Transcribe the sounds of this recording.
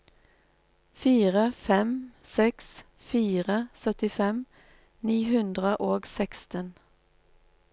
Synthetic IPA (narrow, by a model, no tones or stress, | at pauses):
fiːʁəfɛmsɛks | fiːʁəsœt̪ɪfɛm | niːhʉnd̪ʁəʔoːɡsɛkst̪ən